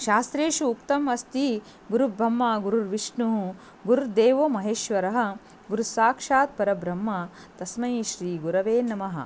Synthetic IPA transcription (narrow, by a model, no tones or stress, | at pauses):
ʃaːst̪ɾeːʂuːkt̪ɐmɐst̪i | ɡuɾubɾɐmːaːɡuɾuɾʋiʂɳuɦ | ɡuɾuɾd̪eːʋoːmɐɦeːʃʋɐɾɐɦɐ̆ | ɡuɾusaːkʂaːt̪̚pɐɾɐbɾɐmːa | t̪ɐsmɐjiʃɾiːɡuɾɐʋeːnɐmɐɦɐ̰̆